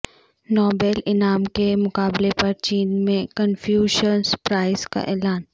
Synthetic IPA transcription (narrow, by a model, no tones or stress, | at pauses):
nɔːbɛːlɪnaːmkemʊkaːblepɐɾt͡ʃiːnmẽkənfjuːʃənspɾaːɪzka̰ʔɛːlaːn